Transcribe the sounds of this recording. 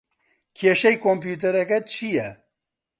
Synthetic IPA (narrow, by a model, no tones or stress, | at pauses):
kʰeːʃɛjkʰompjuːt̪̬ɛɾɛkɛt͡ʃʰijɛ